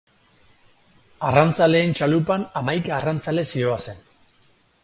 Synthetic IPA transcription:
arant͡sale̞ːnt͡ʃalupanamajkaːrant͡sale̞sio̞ase̞n

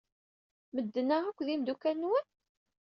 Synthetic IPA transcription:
məd̪ːənæʁækʷːðimd̪ukælnwən

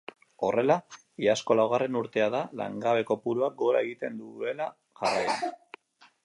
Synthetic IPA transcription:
o̞re̞la | iasko̞lawɣ̞are̞nuɾt̪e̞aðala̰ŋɡaβ̞e̞ko̞puɾuak̚ɡo̞ɾae̞ɣit̪e̞nd̪ue̞la | ʝarajan

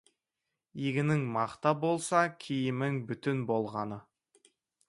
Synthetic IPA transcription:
iɡʲɪnɪŋmɑqt̪ɑbo̞lˠsɑkʲʰijɪmɪŋbʏt̪ɪnbo̞lˠʁɑnə

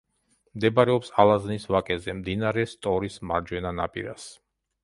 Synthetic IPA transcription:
md̪ɛbaɾɛɔpsalˠaznisvakʼɛzɛmd̪inaɾɛst̪ʼɔɾismaɾd͡ʒwɛnana̰pʼḭɾa̰s

